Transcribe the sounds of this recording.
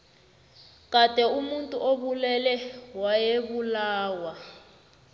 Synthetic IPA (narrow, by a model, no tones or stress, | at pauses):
k̬ad̥ʱʼɛumuntʼuʔoβulɛlɛwajeβulaːwa